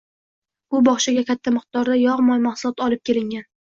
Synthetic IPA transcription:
bʊbɒχʃaɡʲakʲʰat̪ʰːamɨq̚t̪ɒɾd̪ajɒʁmɒjmaχsʊlˠɒt̪ɒlˠɪp̚kʲe̞lɪŋɡʲan

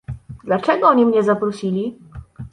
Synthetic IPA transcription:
d̪lat͡ʂɛɡɔɔɲimɲɛzapɾɔɕilʲi

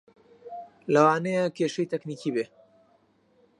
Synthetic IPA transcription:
lɐwaːnejekʰeːʃɐjt̪ɛkniːkiːbe

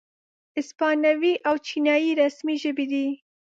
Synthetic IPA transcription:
ɪspɑnawiʔawt͡ʃinjɑjiɾasmiʒəbid̪i

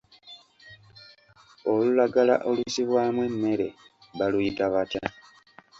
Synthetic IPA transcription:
olulaɡala̰ʔo̞lusiβwaːmwe̞mːe̞ɾe̞̰ | βalujitaβata

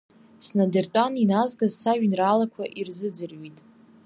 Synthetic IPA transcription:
snadɨrt͡ʃʷʼaninazɡazsaʒᶣnraːlakʷʰaʔirzɨd͡zɨrɥitʼ

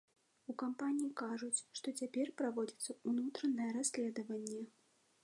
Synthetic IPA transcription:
ukampanʲijikaʐut͡sʲʂt̪ɔt͡sʲapʲɛrpɾavɔd͡zʲit̪sːɐunut̪ɾɐnɨjɛɾasʲlʲɛd̪ɐvɐnʲːɛ

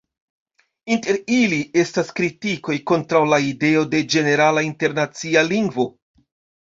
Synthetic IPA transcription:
inte̞ɾilie̞staskɾitiko̞jko̞ntɾawlaide̞o̞de̞d͡ʒe̞ne̞ɾalainte̞ɾnat͡sialiŋɡvo̞

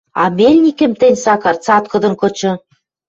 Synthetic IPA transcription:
ɑ̰melʲnʲikɘ̆mt̪ɘ̆nʲsɑkɑrt͡sɑt̪̚kɤ̆d̪ɤ̆nkɤ̆t͡ɕɤ̆

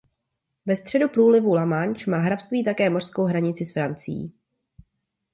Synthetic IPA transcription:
vɛst̪r̝̥ɛdupɾuːlɪvulamant͡ʃmaːɦɾafst̪viːt̪̬akɛːmo̞r̝̥sko̞wɦɾaɲɪt͡sɪsfɾant͡sɪjḭː

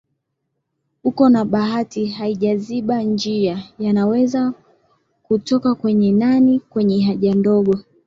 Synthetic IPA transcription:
hukɔnaɓaɦatihaiʄaziɓand͡ʒiajanawɛza | kutɔkakwɛɲɛnanikwɛɲɛɦaʄandɔɠɔ

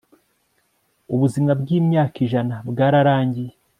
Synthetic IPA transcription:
uβuzimŋabɡiːmɲaːkiʒanabɡaːɾaɾaːɲɟije

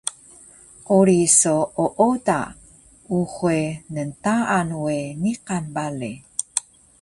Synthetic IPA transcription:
ʔuɾisooʔoda̰ | uχuenəntaʔanweniqanbali

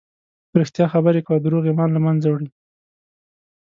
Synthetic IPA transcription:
pɾɪxt̪jɑxabəɾekad̪əɾoɣemɑnlamanzawɽi

